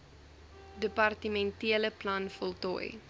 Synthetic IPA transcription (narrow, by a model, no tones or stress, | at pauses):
dəpɐrtəmɛntiələplɐnfɔlˠtɔ̰j